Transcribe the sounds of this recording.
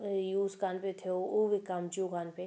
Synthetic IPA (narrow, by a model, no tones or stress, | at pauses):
juːskaːnpet̪ʰeouʋikːamt͡ʃukaːnpe